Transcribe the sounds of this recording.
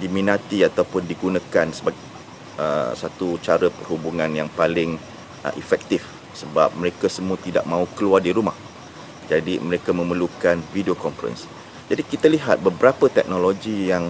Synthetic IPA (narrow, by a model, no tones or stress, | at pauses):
dimĩnãt̪iat̪aupʊndiɡunãkansəbaɡ | ə̰sat̪ut͡ʃaɾəpərɦubuŋãnjaŋpalɪŋ̰ | ʔifɛk̚t̪if | səbap̚məɾekasəmũat̪ida̰ʔ̚mãukəluardiɾumah | d͡ʒadiməɾekamə̃məlukanvidiokɔmfɾɛ̰ns | d͡ʒadikit̪aliɦat̪̚bəbəɾapət̪ɛk̚noloɡijaŋ